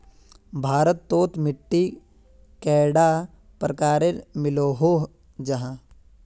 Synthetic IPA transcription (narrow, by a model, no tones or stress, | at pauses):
bʱaːɾət̪ːoːt̪mɪʈːi | kɛːɽa | pɾəkaːɾemɪloːɦo | d͡ʒɐɦãː